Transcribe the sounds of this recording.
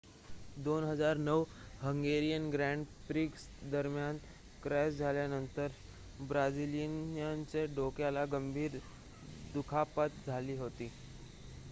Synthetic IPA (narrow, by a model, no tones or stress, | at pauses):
d̪onɦəd͡zaɾnəʋhəŋɡeɾijənɡɾæɳɖpɾiks | d̪əɾmjan | kɾɛsd͡zʱaljanənt̪əɾ | bɾad͡zilənjaɲt͡seɖokjalaɡəmbʱiːɾ | d̪ukʰapət̪̚d͡zʱaliːɦot̪iː